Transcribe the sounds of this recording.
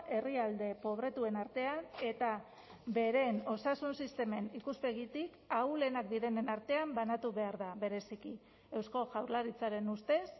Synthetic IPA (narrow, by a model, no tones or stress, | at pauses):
ʔe̞riald̪e̞po̞β̞ɾe̞t̪ue̞naɾt̪e̞ane̞t̪a | be̞ɾe̞no̞sasunsist̪e̞me̞nikuspe̞ɣit̪ik | awle̞nak̚d̪iɾe̞ne̞naɾt̪e̞ambanat̪uβe̞aɾðaβe̞ɾe̞siki | e̞wsko̞ʝawɾlaɾit͡saɾe̞nust̪e̞s